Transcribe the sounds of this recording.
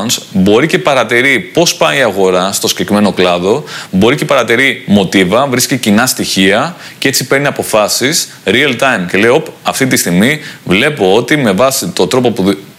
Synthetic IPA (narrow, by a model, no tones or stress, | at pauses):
nsbo̞ɾice̞pɐɾɐt̪iɾipo̞spɐiɐɣo̞ɾɐst̪o̞scekɾime̞no̞klɐðo̞bo̞ɾice̞pɐɾɐt̪iɾimo̞t̪ivɐvɾiscecinɐst̪içiɐ | ce̞t͡sipe̞ɾniɐpo̞fɐsis | ɾiɐlt̪ɐjmce̞le̞io̞pɐft̪it̪ist̪iɣmivle̞po̞o̞t̪ime̞vɐsit̪o̞t̪ɾo̞po̞pu